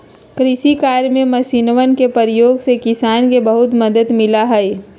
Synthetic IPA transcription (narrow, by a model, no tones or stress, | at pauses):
kɾɪʃikaːɾjmẽmɐsinʋənkepəɾjoːɡsekɪsaːnkebəɐɦʊt̪məd̪əd̪mɪlaɦɛe